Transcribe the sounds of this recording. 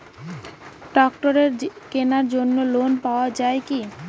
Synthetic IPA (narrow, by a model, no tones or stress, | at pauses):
ɖɔkʈoɾeɾkenaɾd͡ʑonːolonpaoad͡ʑaeki